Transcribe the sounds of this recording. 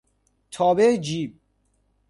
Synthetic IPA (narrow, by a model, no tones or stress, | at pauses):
t̪ʰɔːbed͡ʒiːb̚